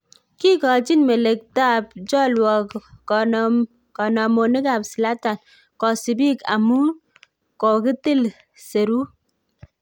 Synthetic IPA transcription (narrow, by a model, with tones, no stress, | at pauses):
ki˦kɔ˨d͡ʒi˦nme˨le˨k̚ta˦˨p̚d͡ʒɔ˦lwɔ˨k | kɔ˨nɔ˨mo˨ne˦ka˨psi˨la˦ta˨n | kɔ˨si˨bi˦ka̰˨mu˦ | kɔ˨ki˦ti˦˨l | se˨ɾu˦